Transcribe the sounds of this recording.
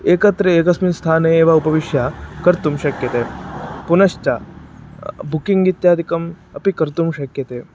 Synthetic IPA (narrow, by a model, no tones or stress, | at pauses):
eːkɐt̪ɾɐeːkɐsminst̪ʰaːneeːʋaupɐʋiʂjakɐɾt̪umɕɐkjɐt̪eːpunɐʃt͡ʃa̰ | bukiŋɡit̪jaːd̪ʱikɐm | ɐpikɐɾt̪umɕɐkjɐt̪eː